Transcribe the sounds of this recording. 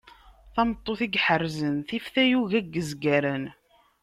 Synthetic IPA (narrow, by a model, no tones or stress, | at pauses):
θɑmət̪ˤːoθiɡħərːzənθifθæjuʝæɡːəzɡæɾən